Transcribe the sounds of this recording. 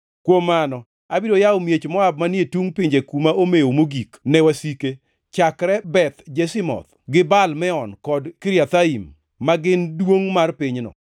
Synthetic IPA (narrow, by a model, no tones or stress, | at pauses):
kwomːanɔ | abiɾojaomjet͡ʃmɔab̚manjetuŋpɪɲd͡ʒekumaomejomoɡiknɛwasike | t͡ʃakɾɛbɛt̪d͡ʒesɪmɔ̰t̪ | ɡɪbalmɛɔnkɔdkɪɾjat̪aimː | aɡɪndwoŋmarpɪɲnɔ̰